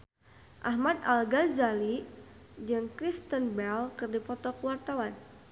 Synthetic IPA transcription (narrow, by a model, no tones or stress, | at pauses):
ʔahmad̪alɡazali | d͡ʒɨŋkɾist̪ənbɛlkɨrdipɔt̪ɔkəwart̪awan